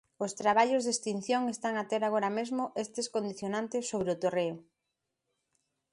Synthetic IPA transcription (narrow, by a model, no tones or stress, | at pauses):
ʊst̪ɾaβaʎʊzðest̪in̟θjoŋest̪aŋat̪eɾaɣoɾamezmʊʔest̪eskond̪iθjonant̪esːoβɾeot̪oreʊ